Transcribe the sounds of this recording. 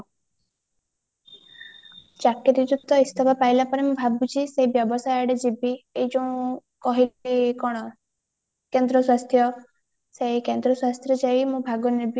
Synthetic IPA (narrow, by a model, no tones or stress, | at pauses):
d͡ʒakiɾiɾut̪ɔist̪ʰɔbapajlapɔnemũbʱabut͡ʃʰiseibjɔbɔsajaɽed͡ʒibiejd͡ʒɔũkɔɦiikɔɽ̃ɔ | kend̪ɾɔswast̪ʰjɔ | seikend̪ɾɔswast̪ʰjɔd͡ʒajmũbʱaɡɔnibj